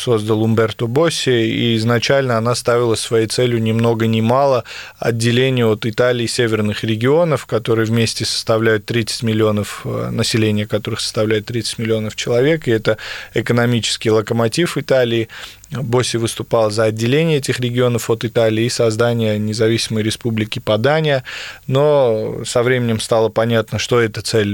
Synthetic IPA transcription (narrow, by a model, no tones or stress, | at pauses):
so̞zd̪əlˠʊmbʲɛrt̪obosʲːɪḭɪznɐt͡ɕælʲnəɐnast̪avʲɪlˠəsvɐjejt̪sɛlʲjʊnʲɪmno̞ɡənʲɪmalˠə | ɐ̰dʲːɪlʲenʲɪjəot̪ɨt̪alʲɪːsʲevʲɪrnɨxɾʲɪɡʲɪo̞nəfkɐt̪o̞ɾɨjəvmʲesʲtʲɪsə̥st̪ɐvlʲæjʊt̪ːɾʲit̪sɨ̥tʲmʲɪlʲɪo̞nəfnəsʲɪlʲenʲɪjəkɐt̪o̞ɾɨxsə̥st̪ɐvlʲæjʊt̪ːɾʲit̪sɨ̥tʲmʲɪlʲɪo̞nəft͡ɕɪlˠɐvʲe̞kɪɛt̪əɪkənɐmʲit͡ɕɪ̥skʲɪjlˠəkəmɐtʲifɨt̪alʲɪː | bosʲɪvɨst̪ʊpɑlˠzəɐdʲːɪlʲenʲɪjəɛtʲɪxɾʲɪɡʲɪo̞nəfot̪ɨt̪alʲɪːsɐzd̪anʲɪjənʲɪzɐvʲisʲɪməjɾʲɪspublʲɪkʲɪpɐd̪anʲɪjəno̞sɐvɾʲemʲɪnʲɪmst̪alˠəpɐnʲat̪nəʂt̪o̞ɛt̪ət̪sɛlʲ